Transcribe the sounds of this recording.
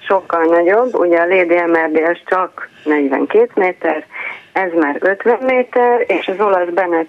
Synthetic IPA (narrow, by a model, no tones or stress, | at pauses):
ʃo̞kːɒlnɒɟo̞bːṵɟɛɒleːd̪iɛmɛrd̪eːlʃt͡ʃɒknɛɟʋɛ̰ŋkeːt̪meːt̪ɛrɛzmaːɾø̞t̪ʋɛmːeːt̪ɛreːʃɒzo̞lɒzbɛnɛ